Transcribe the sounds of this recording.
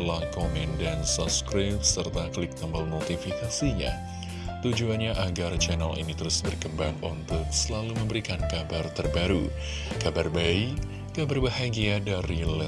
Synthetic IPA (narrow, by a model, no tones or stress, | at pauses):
lakomɪndansɔpskɾɪp̚sərt̪aklɪk̚t̪əmbəlnot̪ifikasiɲa̰ | t̪ud͡ʒuanɲaʔaɡart͡ʃɛnalḭnit̪əɾʊsbərkəmbaŋɔnt̪ʊt̚səlaluməmbəɾikankabart̪ərbaɾu | kabarbai | kabarbaɦajɡiadaɾilɛ